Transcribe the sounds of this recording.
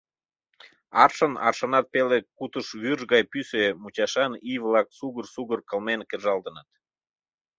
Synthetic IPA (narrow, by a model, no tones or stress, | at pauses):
ɑrʃənɑ̰rʃənɑt̪̚pelekut̪əʃβyrʒɣɑjpysemut͡ɕɑʃɑnijvlɑk̚suɣərsuɣərkəlmenkerʒɑld̪ə̆nət̪